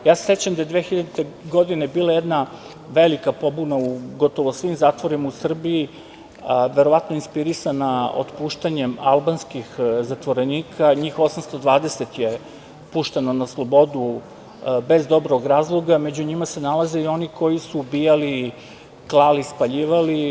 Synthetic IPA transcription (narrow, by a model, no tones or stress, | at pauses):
jaːse̥set͡ɕamd̪ajd̪ʋeːxiʎad̪it̪e̞ɡo̞d̪ine̞biːlˠajed̪na | ʋe̞likapo̞bunauɡo̞t̪o̞ʋosʋimzaːt̪ʋoɾimausr̩bii | ʋe̞ɾo̞ʋat̪no̞inspiɾisanao̰t̪puːʃt̪aɲemalˠbanskixzat̪ʋo̞ɾe̞niːkʰaɲixo̞samst̪o̞d̪ʋaːd̪ese̞t̪je | puːʃt̪e̞nonaslˠo̞bo̞d̪u | be̞zd̪o̞bɾoɡɾaːzlˠoɡamed͡ʑuɲimase̞nalˠazeio̞niko̞jisuːbijali | klˠalispaʎiːʋali